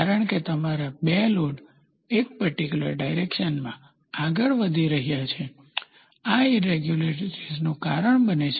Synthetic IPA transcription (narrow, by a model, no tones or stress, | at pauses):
aɾəɳket̪əmaɾabeloɽ | ek̚pəɾʈikjulə̰ɾɖajɾekʃənmã | aɡəɭʋəd̪ʱiɾəɦijat͡ʃʰe | aiɾeɡjuleʈɾid͡ʒnũkaɾəɳbənet͡ʃʰ